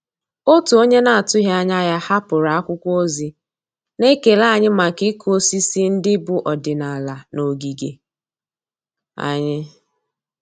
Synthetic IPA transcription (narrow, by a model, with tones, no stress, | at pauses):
o˦tu˨o˦ɲe˦na˨a˨tʊ˦ɦe˦a˦ɲa˦ja˦ha˦pʊ˨ɾa˨a˦kʷʊ˦kʷo˦zi˦ | ne˦ke˨la˦˨ɲɪ˦ma˨kɪ˦kʰu˦o˦si˦si˦n̩˦dɪ˦bʊ˨ʔɔ˨dɪ˨na˨la˨no˨ɡi˨ɡe˨ | a̰˨ɲɪ˦